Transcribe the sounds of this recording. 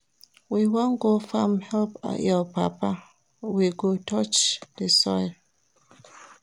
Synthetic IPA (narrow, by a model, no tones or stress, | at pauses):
wiwɔ̃nɡofãmhɛlpa̰jɔpapa | wiɡotɔt͡ʃdəsɔ̰j